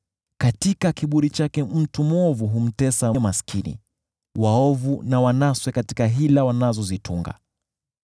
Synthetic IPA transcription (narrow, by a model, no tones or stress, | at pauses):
katikakiɓuɾit͡ʃakɛm̩tumɔvuɦum̩tɛsamaskʰinḭ | waɔvunawanaswɛkatikaɦilawanazɔzitʰuŋɡa̰